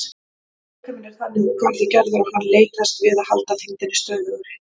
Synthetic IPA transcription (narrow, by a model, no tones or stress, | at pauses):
kʰɛmɪnɛɾ̥θanːɪkʰɔɾðɪcɛɾðʏɾawhanːleːjt̪ast̪vɪðahalt̪aθint̪ɪnːɪst̪œːððʏɣʏɾɪ